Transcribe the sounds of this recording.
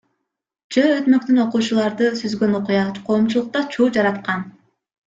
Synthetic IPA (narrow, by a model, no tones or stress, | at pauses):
d͡ʒøøt̪mø̞kt̪yno̞quːt͡ʃulˠɑɾd̪ɯsyzɡø̞noqujɑqʰo̞ːmt͡ʃulˠuq̚t̪ɑt͡ʃʰuːd͡ʒɑɾɑt̪qɑn